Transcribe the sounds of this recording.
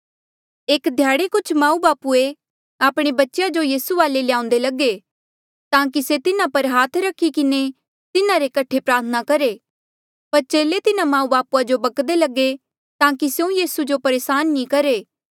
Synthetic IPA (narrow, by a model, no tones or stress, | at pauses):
eːkd̪ʱjaːɽekʊt͡ʃʰmãːũbaːpue | aːpɽ̃ebɐtːʃejad͡ʒojiːsuʋaːlelɪjãːʊ̃n̆d̪elɐɡe | t̪ãːk̬iset̪ɪnãpɐɾɦaːt̪ʰɾɐkʰːikɪne | t̪ɪnãɾekɐʈʰepɾaːɾt̪ʰənakɐɾeː | pɐɾt͡ʃeːlet̪ɪnãmãːũbaːpuad͡ʒobɐkd̪elɐɡe | t̪ãːkisjũjiːsud͡ʒopɐɾeːsaːnːĩkɐɾeː